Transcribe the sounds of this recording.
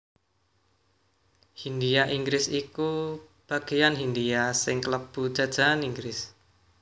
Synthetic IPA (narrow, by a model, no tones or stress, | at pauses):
hindiaʔiŋɡɾɪsikub̥aɡ̥ijanɦindiasɪŋkləb̥ud̥ʒ̥a̤d̥d͡ʒ̥a̤aniŋɡɾɪs